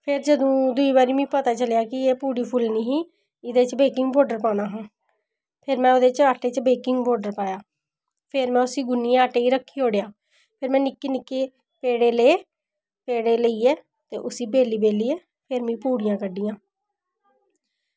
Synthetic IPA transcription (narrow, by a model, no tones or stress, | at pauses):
pʰɪɾd͡ʒəd̪õːd̪ʊiːβaːɾiːmĩːpət̪aːt͡ʃəljaːkɪeːpuːɽiːpʰʊlniːɦiː | ɪd̪eːt͡ʃbeːkɪŋɡboːɖəɾpaːnaːɦãː | pʰɪɾmɛ̃ːʊd̪eːt͡ʃaːʈeːt͡ʃbeːkɪŋɡboːɾɖəɾpaːjaː | pʰɪɾmɛ̃ːʊsiːɡʊnːiːaːʈeːiːɾəkʰːiːɦoːɽejaː | pʰɪɾmɛ̃ːnɪkːeːnɪkːeː | peːɽeːleː | peːɽeːləiːɛː | t̪ḛːʔʊsiːbeːliːbeːliːɛː | pʰɪɾmĩːpuːɽɪjãːkəɖiːãː